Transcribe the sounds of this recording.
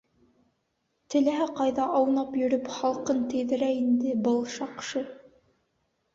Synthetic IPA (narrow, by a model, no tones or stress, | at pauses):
t̪ɘ̆læɦæqɑjðɑʔɑwnɑpjɵ̆ɾɵpχɑlˠqɤnt̪ɘ̆ðɘ̆ɾæind̪ɘbɤlˠʃɑqʃɤ